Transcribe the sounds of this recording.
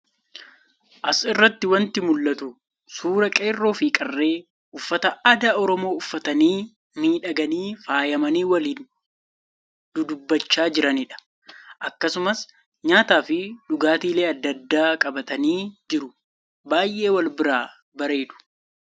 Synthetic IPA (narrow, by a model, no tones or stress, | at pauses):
ʔɐsɪrːɐt̪ːɪwɐnt̪ɪmʊlːɐt̪ʊ | suːɾɐkʼeːrːo̞ːfiːkʼɐrːe̞ː | ʔʊfːɐt̪ɐɐd̪aʔɔɾɔmo̞ːʊfːɐt̪ɐniː | miːᶑɐɡɐniːfaːjɐmɐniːwɐliːn | d̪ʊd̪ʊbːɐt͡ʃːaːd͡ʒɪɾɐniːᶑɐ̥ | ʔɐkːɐsʊmɐs | ɲaːt̪aːfɪᶑʊɡaːt̪iːle̞ːɐd̪ːɐd̪ːaːkʼɐbɐt̪ɐniːd͡ʒɪɾʊ | baːjʔe̞ːwɐlbɪɾaː | bɐɾe̞ːd̪ʊ̥